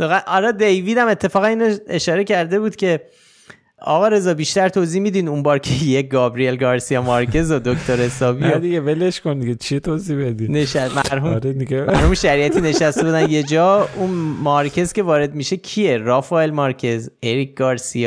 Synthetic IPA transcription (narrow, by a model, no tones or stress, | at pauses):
soɣæʔɒɾɒːd̪ejviːd̪æme̞t̪ʰːe̞fɒːɣæniːnoeʃɒːɾe̞cʰæɾd̪e̞buːd̪̥cʰʲe̞ | ɒ̰ɣɒːɾe̞zɒːbiːʃt̪æɾt̪ʰoːziːhmid̪iːd̪unbɒːɾcʰejeɡɒːbɾielɡɒːɾsijɒːmɒɾcʰe̞zod̪okt̪ʰoɾhe̞sɒːbid̪iɡeveleʃkond̪iɟet͡ʃʰit̪ʰozibed̪ineʃæmæɾɦumɾed̪iɡemæɾhumʃæɾiːʔæt̪ʰiːne̞ʃæst̪e̞bud̪ænje̞d͡ʒɒːunmɒɾcʰe̞zce̞vɒːɾe̞d̪miʃe̞cʰijeɾɒfɒelmɒɾcʰe̞zeɾikɡ̥ɒːɾsijɒː